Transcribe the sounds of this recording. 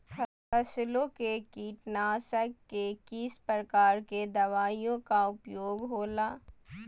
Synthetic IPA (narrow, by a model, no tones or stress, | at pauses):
pʰ | ɐslõkekiːʈnaːsəkkekiːspɾəkaːɾked̪ɐʋaːijõkaʊpjoːɡɦoːlaː